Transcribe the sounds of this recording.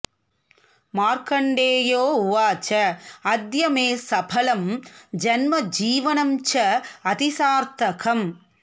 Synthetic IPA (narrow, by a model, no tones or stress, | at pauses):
maːɾkɐɳɖeːjoːuʋaːt͡ʃɐɐd̪jɐmeːsɐbʰɐlɐmd͡ʒɐnmɐd͡ʒiːʋɐnɐmt͡ʃɐɐt̪isaːɾt̪ɐkɐm